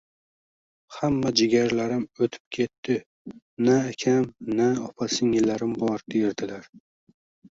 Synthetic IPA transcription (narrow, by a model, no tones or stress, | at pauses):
hamːad͡ʒɪɡʲaɾlaɾɪmɵt̪ʰɪ̥p̚kʲʰe̞t̪ʰːɪ | naːkʲʰamnaɒpʰasɪŋɪlːaɾɪmbɒɾd̪ejɾd̪ɪlaɾ